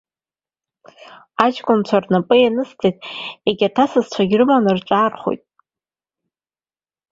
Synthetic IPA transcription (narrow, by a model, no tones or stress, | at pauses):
ad͡ʒkʷʼʊnt͡ɕʷʰarnapʼɨjanɨstʰejtʼeɡʲatʰasɨzt͡ɕʷʰaɡʲrɨmanɨrʈ͡ʂʷʼaːrχo̰jtʼ